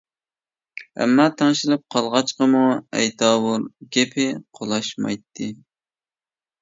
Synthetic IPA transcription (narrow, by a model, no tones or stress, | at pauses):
ɛ̰mːɑːt̪ʰɛŋʃɪlɨp̚qʰɑlˠʁɑt͡ʃqəmuɛ̰jt̪ʰɑːwuɾɡʲepʰɪqʰolˠɑʃmɑ̰jt̪ʰːɨ